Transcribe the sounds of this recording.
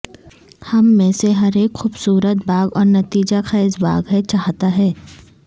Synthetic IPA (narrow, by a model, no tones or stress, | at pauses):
hɐmːẽːseɦɐɾeːkxuːbsuːɾət̪baːɡɔːɾnɐt̪iːd͡ʒaxɐːɪzba̰ːɡɦɛt͡ʃaːɦt̪aɦɛː